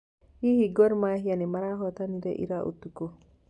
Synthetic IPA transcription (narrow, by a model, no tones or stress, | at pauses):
hihiɡɔɾmaɦianimaɾaɦɔt̪aniɾɛ̰ʔḭɾaʔṵt̪ːuko